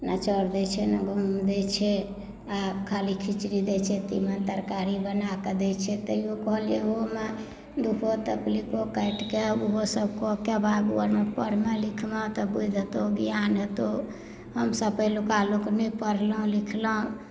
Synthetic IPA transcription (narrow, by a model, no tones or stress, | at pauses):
nat͡ʃəɾd̪ɛt͡ʃʰɛnaɡʱumd̪ɛt͡ʃʰɛ | akʰalikʰit͡ʃɾid̪ɛt͡ʃʰɛt̪ḭmənt̪əɾkaɾibənaked̪ɛt͡ʃʰɛt̪əiokɔɦəlijeome | d̪ukʰot̪əplikokəjʈkeuɦosəb̚kokebaɡuəɾmepəɾmelikʰmet̪ɔbud̪ʱət̪oɡijanɦət̪o | həmsəbpəjlukaloknəpəɾləɦũlikʰləũ